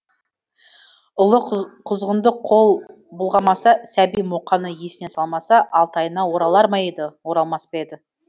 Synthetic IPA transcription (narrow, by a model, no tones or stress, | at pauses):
ʊlˠəqʰʊzʁənd̪əqʰo̞lˠ | bʊlˠʁɑmɑsɑsæbijmoqːɑnəje̞sɪne̞sɑlˠmɑsɑʔɑlˠt̪ɑjənɑwo̞ɾɑlˠɑɾmɑjed̪ɪwo̞ɾɑlˠmɑspeed̪ɪ